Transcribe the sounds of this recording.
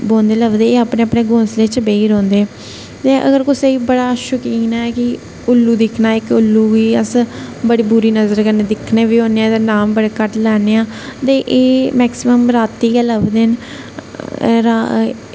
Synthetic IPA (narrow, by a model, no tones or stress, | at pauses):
boːnd̪eːləʋd̪eːeːaːpneːəpneːɡõːsleːt͡ʃbeːiːɾõːnd̪eː | t̪eːʔə̰ɡəɾkʊseiːbəɽaːʃʊkiːnaːɛːkɪ | ʊlːuːd̪ɪkʰnaːɪkʊlːuːʋiːəsbəɽiːbuːɾiːnəzəɾkəɾneːd̪ɪkʰneːbiːõːneãːt̪eːnaːmbəɽeːkəʈlɛːneːãː | t̪eːʔeːmɛːksɪməmɾaːt̪ːiːkɛːləʋd̪eːn | ɾa